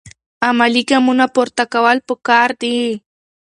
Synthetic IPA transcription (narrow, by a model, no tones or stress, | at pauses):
amalikamʊnapoɾt̪akawalpokaɾd̪i